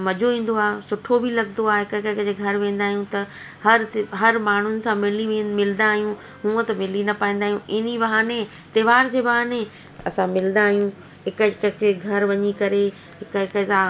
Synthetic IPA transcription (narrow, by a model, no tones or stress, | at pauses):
mɐd͡ʑʱoʋĩːn̆d̪oaːsʊʈʰobʱɪlɐɡnoaːɦɪkɪkɪkəd͡ʑeɡʱɐɾʋẽːn̆d̪aːɦijũt̪ɐ | hɐɾɦɐɾmaːɳ̤ʊnɪ̆sãmɪliʋmɪlnd̪aːɦijũ | ɦũːə̃t̪ɐmɪlinɐpaːĩːn̆d̪aːɦijũʔɪnibɐɦaːne | t̪eːʋaːɾd͡ʑeːbɐɦaːne | ɐsãmɪl̃nd̪aːɦijũ | ɦɪkəkkʰeɡʱɐɾʋɐɲikɐɾe | ɦɪkɪkəsã